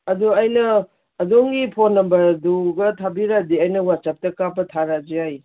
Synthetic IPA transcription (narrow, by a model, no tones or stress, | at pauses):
ɐduɐjnɐː | doŋɡipʰonːɐmbɐɾduɡɐtʰabiɾadiɐjnɐwat͡ʃap̚tɐkapɐtʰaɾad͡ʒiaj